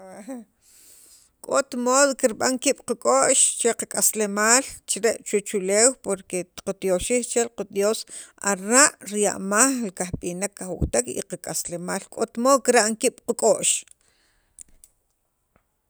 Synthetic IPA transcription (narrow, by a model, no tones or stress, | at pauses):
kʼot̪moːðokiɾɓaŋkiːɓ̥qakʼoʔʃt͡ʃeqakʼaslemaːlt͡ʃiɾeʔt͡ʃwet͡ʃuleːwpoɾkeqat̪joʃiːxt͡ʃelqad̪josaɾaʔɾja̰ʔmaχlkahɓinakːaxwṵwt̪akḭqakʼaslemaːlkʼot̪moːðkiɾaʔŋkiːɓ̥qakʼoʔʃ